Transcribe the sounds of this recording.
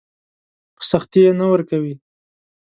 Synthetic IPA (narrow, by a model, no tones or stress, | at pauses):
saxt̪ijenawəɾkawi